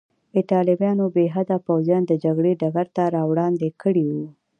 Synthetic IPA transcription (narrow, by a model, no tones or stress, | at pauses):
ɪt̪ɑlɪbjɑnobeɦad̪apawzjɑnd̪əd͡ʒaɡɽeɖaɡaɾt̪aɾɑwɽɑnd̪ekʰəɽiwu